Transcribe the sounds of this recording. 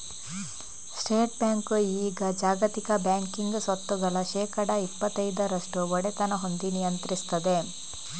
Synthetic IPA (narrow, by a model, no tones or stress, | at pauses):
sʈeːʈbjaːŋkuiːɡɐd͡ʒaːɡɐt̪ikɐbjaːŋkiŋɡusɐt̪ːuɡɐɭɐʃɛːkɐɽɐipːɐt̪ːɐjd̪ɐɾɐʂʈuɔɽet̪ɐnɐɦo̞nd̪inijɐnt̪ɾist̪ɐd̪e̞